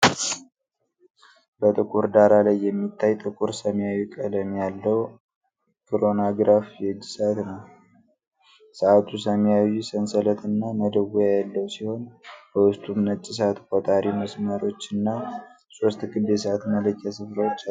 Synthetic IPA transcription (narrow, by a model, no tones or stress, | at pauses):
bət̪ʼɨkʼuɾd̪aɾalajːɛmːit̪ʰːajt̪ʼɨkʼuɾsəmjawikʼələmjalːəw | kʰɨɾo̞naɡɾafjɛd͡ʒːisəat̪nəw | səat̪ʰusəmjawisənsələt̪ʰɨnːaməd̪əwujajɛlːəwsiho̞nbəwʊst̪ʼumnət͡ʃʼːɪs̬at̪kʼot̪ʼaɾiməsməɾo̞t͡ʃːɨnːa | so̞st̪ɡɨb̪esəat̪mələkːasɨfɾəwot͡ʃːa